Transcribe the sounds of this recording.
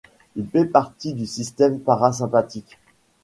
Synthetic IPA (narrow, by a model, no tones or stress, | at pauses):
ilfɛpaʁt̪id̪ysist̪ɛmpaʁas̬ɛ̃pat̪ik